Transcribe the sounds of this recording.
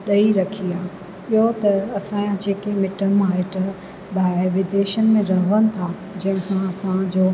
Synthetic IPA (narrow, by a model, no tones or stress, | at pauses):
ɗɐiɾɐkʰiaː | ɪɦot̪ɐɐsãːjãd͡ʑeːkemɪʈəmaːɦet̪ɐ | ɓaːɪʋɪd̪eːʃənɪ̆mẽɾɐɦʋənɪ̆t̪ʰa | d͡ʑɐ̃ɦɪ̃sãɐsãd͡ʑoː